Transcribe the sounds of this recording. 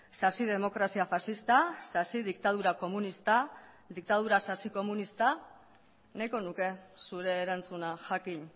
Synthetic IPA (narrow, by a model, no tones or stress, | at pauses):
sasiðe̞mo̞kɾasiafasist̪asasiðikt̪að̞uɾako̞munist̪a | ðik̚t̪að̞uɾasasiko̞munist̪a | najko̞nuke̞suɾe̞ːɾant͡sunaʝakiɲ